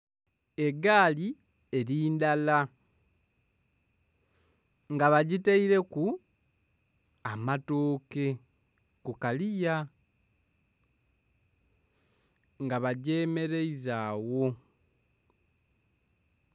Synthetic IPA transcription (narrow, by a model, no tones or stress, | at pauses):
e̞ɡaːli | e̞ɾiːndala | ŋɡaβaɟiteiɾe̞ku | amatoːke̞ | kukalija | ŋɡaβaɟe̞ːme̞ɾeizaːwo̞